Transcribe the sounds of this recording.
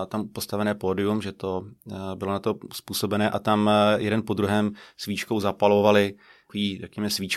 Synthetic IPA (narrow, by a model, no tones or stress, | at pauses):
t̪ampo̞st̪avɛnɛːpo̞ːdɪumʒɛt̪o̞bɪlonat̪o̞spuːso̞bɛnɛːʔat̪amjɛdɛnpo̞d̪ɾuɦɛːmsviːt͡ʃkowzapalo̞valɪ | kiːrɛkɲɛmɛsviːt͡ʃ